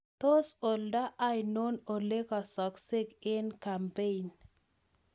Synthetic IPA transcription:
t̪o˦so˨lda˦ʔa˦jno˦no˨le˦kɔ˨sɔ˨ksɪ˦ɡɪ˦nka˨mpe˦i˨n

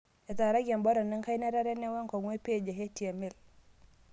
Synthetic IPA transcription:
e˨ta˨ɾa˦ɡa˨mbo˦ɾɔ˨nːi˦ŋka˦jna˦ɾa˦ɾe˦nːe˦wa˦ŋko˨ŋwe˦pe˦˨d͡ʒe˨ɦe˦ti˨a˨mi˦˨l

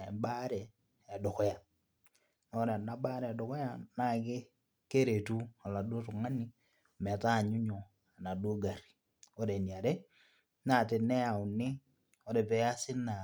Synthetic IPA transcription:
ba˦ɾɛ˨ | a˨dɔ˨kɔ˦ja˨ | nɔ˦ɾɛ˨na˨ba˦ɾɛ˨a˨dɔ˨kɔ˦ja˦na˦kɪ˦ | ke˦ɾe˨tu˦a˨la˨do˦tʊ˨ŋa˦ni˦˨ | mɛ˨ta˦˨ɲʊ˦ɲɔ˨ | a˨na˨do˦ɡa˨ri̥˨ | ɔ˦ɾe˨ni˨a˨ɾe˦ | na˨te˨nɛ˦a˨ʊ˨nɪ˦ | ɔ˦ɾɛ˨pɛ˨˦ja˦sɪ˦na˨

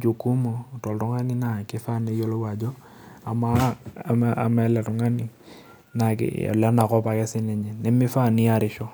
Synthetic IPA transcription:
d͡ʒo˨ku˦mo˨tɔ˨ltʊ˦ŋa˦ni˦na˨kɪ˦fa˦˨ne˨˦jo˦lo˦wa˨d͡ʒɔ˦ | a˨ma˦˨maa˨ma˨ɛ˦lɛ˨tʊ˨ŋa˦nɪ˨ | na˨ka̰˨la˦na˨kɔ˦pa˨kɛ˦sɪ˦nɛ˨ɲɛ˨nɛ˦mɪ˦fa˦˨ni˦a˨ɾɪ˨ʃɔ˦

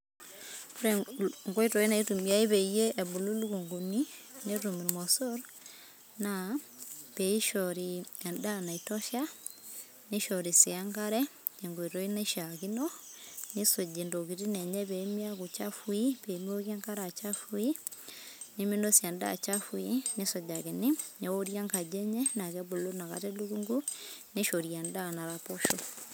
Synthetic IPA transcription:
ku˦ɾɛ˨ŋɡo˦i˦to˨i˦na˨i˦tu˨mi˨a˦i˦be˨je˦ɛ˨bu˨lu˦lu˦ku˨ŋɡu˨ni˦ne˦ɾu˨mi˨ɾmɔ˨so˦ɾ | na˨ | pe˨i˦ʃɔɾi˨ɛ˨nda˦na˨i˨tɔ˦ʃa˦ | ni˦ʃɔ˨ɾi˨si˨a˦ŋɡa˦ɾɛ˦ | e˨ŋɡo˨i˨to˨i˦na˦ʃa˨ki˦nɔ˦ni˦so˨ɟi˨ndo˨ki˨ɾi˦nɛ˨ɲɛ˦βɛmia˦kut͡ʃa˦fui˦pe˨mio˦kja˦ŋka˦ɾa˨t͡ʃa˦fu˦i˦ | ni˦mi˦no˦sja˨nda̰˨t͡ʃa˦fu˦i˦ne˦so˨ɟaɣe˨niɲeo˦ɾja˦ŋka˨d͡ʒɛ˦ɲɛ˦na˨kɛβo˨lo˦na˨ka̰tɛ˦lu˦ɡuŋɡu˦ne˦ʃo˨ɾia˨ndana˨ɾa˨po˦ʃu˦

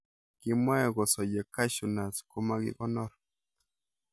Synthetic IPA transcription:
kɪ˦ma˦ɛ˨ɡɔ˨sɔ˨d͡ʒe˨ka˦ʃu˨na˨sko˦ma˦ɡɪ̰˦kɔ˦nɔ˦ɾ

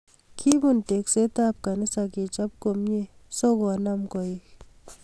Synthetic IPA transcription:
kʰi˦bu˦˨nte˨kse˦ta˦p̚ka˨ni˦sa˨ki˨t͡ʃa˦p̚ko˨mje˦sɔ˦kɔ˨na˦mkɔ˨i˨k

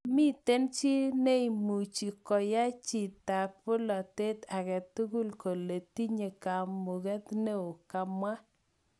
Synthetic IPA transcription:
mɪ˦te˦nt͡ʃi˦ne˦i˨mu˨t͡ʃi˨kɔ˨ja˦t͡ʃi˨ta˨pʊ˦lɔ˨te˦ta˨kɛ˨tu˦ɡu˦lko˨le˨ti˦ɲe˨ka˨mu˨ɡɛ˦t̪ne˦o˨ka˨mwa˦

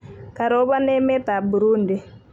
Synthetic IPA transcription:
ka˨ɾo˦ba˦nɛ˦mɛ˦t̪a˨bu˨ɾu˦ndi˨

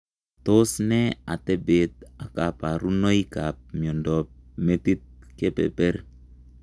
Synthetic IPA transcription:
to˦snɛ˦a̰˨tɛ˦be˨t̚a˨ka˨pa˨ɾu˦no˦i˦ka˨p̚mjɔ˨ndɔ˨p̚me˦ti˦t̪̚ke˦pɛ̰˨pɛ˦ɾ

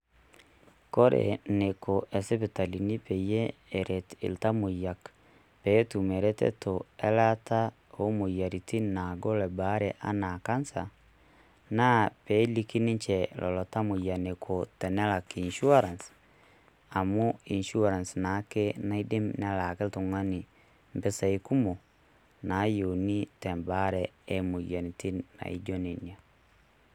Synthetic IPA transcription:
ko˦ɾḛ˨nekoʔɛ˨sɛ˦βeta˨lini˦pɛ˨ijɛː˦˨ɾɛtḭ˨lta˦mo˨ja˨k | pɛ˦tu˨mɛ˨ɾɛ˦tɛ̰˦toɛ˦la˦ta˦ | o˦mo˨ja˨ɾi˨ti˦na˨ɡo˦lɛ˨ba˦ɾeʔa˦naka˦nsa | na˦pɛ˨˦li˦ki˦ne˦ɲt͡ʃɛ˨lʔɔ̰˨lɔ˨ta˦mo˨ja˨ne˨kʰo˨tɛ˨nɛ˦la˨kiː˨nʃu˦a˦ɾa˨ns | a˨mu˦i˨nʃu˦aɾa˨nsna˨˦ke˦nai˦de˦mnɛ˦la˨kɛ˦to˨ŋa˦ni˨ | mbɛ˦sa˨i˦ku˦mo˨ | na˨˦jo˨ni˦tɛ˨mbaɾɛe˦mo˨ja˨ni˨ti˦na̰˨ḭ˨d͡ʒɔ˦ne˨ni˨a˨

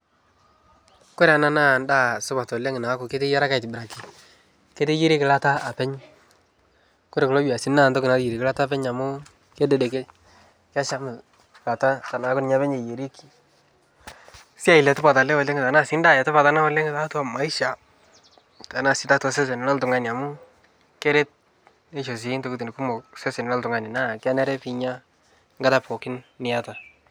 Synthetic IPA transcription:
ko˦ɾa˨na˦na˦˨n˦da˦sʊ˦ba˨tɔ˨le˦ŋɪ˨na˨˦kʊ˨ke˦te˦ja˦ɾa˦ka˨jtɪ˨bɪ˨ɾa˨ki˨ | ke˦te˦je˦ɾe˦kɪ˨la˦ta˦a˨pɛ˦ɲ | kɔ˦ɾe˨klɔ˦d͡ʒa˨si˦nna˦˨ntɔ˦kɪ˨na˨˦ji˨ɾi˨ki˦la˦ta˦pɛ˦ɲa˨mʊ˦ | ke˦dɛ˨de˨ke˦ | ka˦ʃa˦mɪ˨ | la˨ta˦ta˨na˨˦kʊ˦n˨ɲa˦βɛ˦ɲe˨je˨ɾi˦ki̥˨ | sɪ˦a˦ɪ˨lɛ˨tʊ˦pa˨ta˨lɛ˦wɔ˨le˦ŋɡɪ˨ta˨na˦˨sɪ˦nda˦ja˨tɔ˦pa˨ta˦na˦ɔ˦le˦ŋɡɪ˦ta˦twa˨ma˨˦i˦ʃa˨ | ta˨na˨sɪ˦ta˦tɔ˨se˦s̬ɛ˨n˨lɔ˦ltʊ˨ŋa˦˨nɪ˨a˨mʊ˦ | kɛ˦ɾe˦t̚ | ne˦ʃo˨s̬i˨˦nto˦ku˦tni˨ku˦mɔ˨ksɛ˦sɛ˨nɪ˨lɔ˦ltʊ˨ŋa˨nɪ˨na˦kɪ˦a˦nɛ˦ɾɛ˦pi˨ɲa˦ | ŋɡa˦ta˦pʰɔ˨kɪ˦nːɪ˨ja˦ta˨

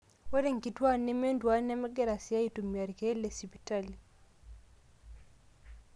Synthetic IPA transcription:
wɛ˦ɾɛ˦ŋ˨ki˨twa˦nɛ˦mɛ˦ndwa˦nɛ˦mɛ˦ɡɛ˦ɾa˨si˨a˦i˦tu˨mi˨a˨ɾi˨kɛ˦lɛ˨si˨pi˨ta˦˨li˨

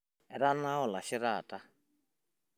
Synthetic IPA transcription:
ɛ˨ɾa˦na˦ɦɔ˨la˨ʃi˦ɾaː˨tʼa˦

